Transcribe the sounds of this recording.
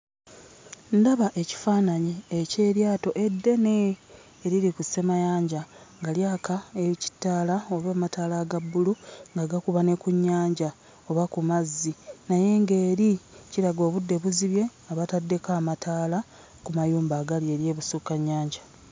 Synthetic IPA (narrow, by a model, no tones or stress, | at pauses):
ndaβaʔe̞ci̥faːnaɲiece̞ːɾjaːto̞ʔe̞dːe̞ne̞ː | ɾiɾikuse̞majaːɲɟaŋɡaljaːkaeici̥tːaːlaoβaːmataːlaɡabːuluŋɡaɡakuβane̞kuɲːaːɲɟa | o̞βakumazːinaje̞ŋɡe̞ːɾiciɾaɡo̞ːβudːe̞βuziβje̞aβatadːe̞kaːmataːla | kumajuːmbaːɡalje̞ːɾje̞ːβusukaɲːaːɲɟa